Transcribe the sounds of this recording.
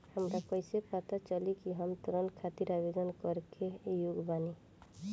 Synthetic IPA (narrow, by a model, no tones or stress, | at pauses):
həmɾakəɪsepat̪at͡ʃəlikiɦəmt̪ɾənkʰat̪iɾabed̪ənkəɾkejuɡbaːni